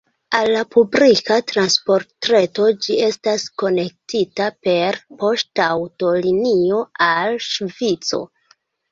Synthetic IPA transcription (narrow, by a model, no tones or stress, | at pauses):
alːapublikatɾanspo̞ɾtɾe̞to̞d͡ʒie̞stasko̞ne̞k̚titape̞ɾpo̞ʃtawto̞linio̞alʃvit͡so̞̰